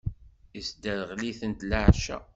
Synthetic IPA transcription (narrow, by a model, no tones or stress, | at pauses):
isd̪əɾəʁliθənt̪ləʕʃæ̰